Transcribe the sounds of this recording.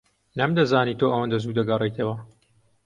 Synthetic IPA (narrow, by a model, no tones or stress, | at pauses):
nɐmd̪ɐzaːniːt̪oʔɐwɐnd̪ɐzuːd̪ɐɡɐrˤejt̪ʰɐwɐ